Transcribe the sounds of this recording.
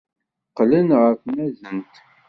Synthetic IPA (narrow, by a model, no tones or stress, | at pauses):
qlənʁəfmæzənt̪